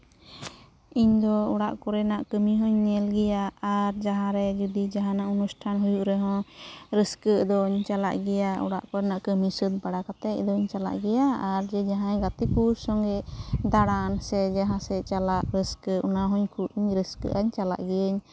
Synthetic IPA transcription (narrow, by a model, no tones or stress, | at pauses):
iɲd̪ɔuɽaʔkɔɾɛnaʔkəmiɦɔɲnɛlɡɛjaaɾd͡ʒaɦãɾɛd͡ʒud̪id͡ʒaɦãnaʔunusʈʰanɦujuʔɾɛɦɔ̃ɾəskəʔd̪ɔɲt͡ʃala̰ʔɡɛjaṵɽa̰ʔkɔɾɛnaʔkəmisəd̪baɽakat̪ɛc̚d̪ɔɲt͡ʃala̰ʔɡɛjaːɾd͡ʒɛd͡ʒaɦãɡat̪ikuɾsɔŋɡɛʔd̪aɽansɛd͡ʒaɦãsɛt͡ʃalaʔɾəskəʔunaɦɔɲkʰuɾiɲɾəskə̰ʔaɲt͡ʃala̰ʔɡɛjəɲ